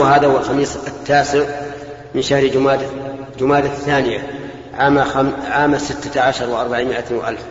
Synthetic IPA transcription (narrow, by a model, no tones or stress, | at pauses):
ɦaːðahuwalxɑmiːsˤat̪ːaːsɪʕ | mɪnʃahɾaːd̪d͡ʒʊmaːd̪aθːaːnɪja | ʕaːʕaːmasɪt̪ːaʕaʃɑɾˤwɪʔɑɾˤbaʕimɪʔat̪ːwɪʔa̰lf